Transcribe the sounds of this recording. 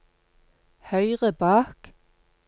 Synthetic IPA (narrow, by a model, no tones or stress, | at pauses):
hœʏʁəbɑːk